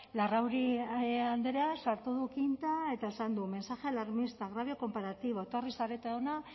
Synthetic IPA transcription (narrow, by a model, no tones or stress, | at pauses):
larawɾiand̪eɾeasaɾt̪uðukint̪ae̞t̪ae̞sand̪ume̞nsaʝe̞laɾmist̪aɣɾaβjo̞ko̞mpaɾat̪iβoot̪oarisaɾe̞t̪eona